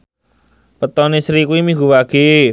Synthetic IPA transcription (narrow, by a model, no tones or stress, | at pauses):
pət̪ɔnisɾikuwimiŋɡuwaɡ̥e